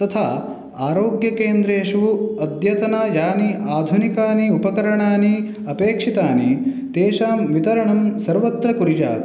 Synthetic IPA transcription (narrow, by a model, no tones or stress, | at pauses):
t̪ɐt̪ʰaː | aːɾoːɡjɐkeːnd̪ɾeːʃʋuɐd̪jɐt̪ɐnaːjaːniʔaːd̪ʱunikaːniupɐkɐɾɐɳaːni | ɐpeːkʂit̪aːni | t̪eːʃaːmʋit̪ɐɾɐɳɐmsɐɾʋɐt̪ɾɐkuɾja̰ːt̪